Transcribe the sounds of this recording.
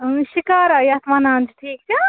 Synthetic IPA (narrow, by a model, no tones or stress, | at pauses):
ʃikaːɾajaːt̪manãːnd͡ʒʈʰiːk̚d͡ʒa